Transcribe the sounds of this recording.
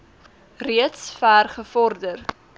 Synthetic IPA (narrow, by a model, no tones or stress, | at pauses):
riətsfæːrχəfɔrdər